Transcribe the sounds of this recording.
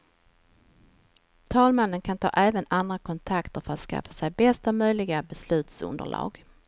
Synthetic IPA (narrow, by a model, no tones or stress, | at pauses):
t̪ʰɑːlmanːənkʰant̪ʰɑ̰ːʔɛːvənand̪ɾakʰɔnt̪ʰakt̪əɾfœɾat̪ska̰fːḁsɛjbɛst̪amœjlɪɡabɛslʉ̟ːt̪sɵ̰nd̪ə̰ɭɑ̰ːɡ